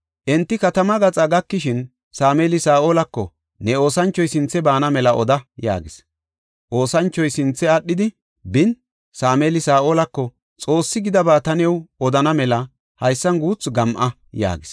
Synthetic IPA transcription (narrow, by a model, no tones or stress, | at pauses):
ʔɛnt̪ːɪkɐt̪ɐmɐɡɐt͡sʼɐɡɐkːɪʃɪn | saːmeːlɪsaːʔo̞ːlɐkːɔ | nɛo̞ːsɐnt͡ʃːɔjsɪnt͡sːɛbaːnɐmɛlɐʔɔ̰d̪ɐja̰ːɡɪs | ʔo̞ːsɐnt͡ʃːɔjsɪnt͡sːɛɐɗːɪd̪ɪ | bɪn | saːmeːlɪsaːʔo̞ːlɐkːɔ | t͡sʼo̞ːsːɪɡɪd̪ɐbaːt̪ɐnɛwɔd̪ɐnɐmɛlɐ | hɐjsːɐnɡuːt͡sɡɐmʔɐ | ja̰ːɡɪs